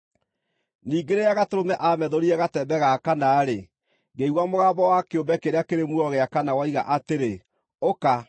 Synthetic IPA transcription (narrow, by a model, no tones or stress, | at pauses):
niːɡeɾeaɣatoɾomɛʔamɛðoɾiɛɣatɛbɛɣakanaːɾe | ɡeiɣwamoɣaːbɔwakeombɛkeɾeakeɾemwɔɣeakanawaiɣa̰ʔateɾe | oka